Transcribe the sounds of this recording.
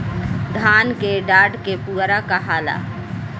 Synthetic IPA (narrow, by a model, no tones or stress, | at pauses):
d̪ʱaːnkeɖaːɖkepuɾakaɦaːla̰